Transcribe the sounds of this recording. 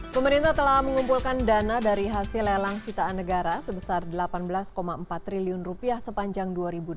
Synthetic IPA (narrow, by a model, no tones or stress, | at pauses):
pəməɾint̪aht̪əlahməŋumpulkandanadaɾiɦasɪlelaŋsit̪aːnːəɡaɾasəbəsardəlapanbəlaskomaəmpat̪ːɾiliʊnrupiahsəpaɲd͡ʒaŋduaɾibud